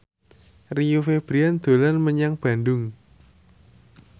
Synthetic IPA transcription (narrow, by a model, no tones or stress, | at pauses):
rijufeb̥ɾiand̪̥o̤lanməɲaŋb̥ä̤ndʊŋ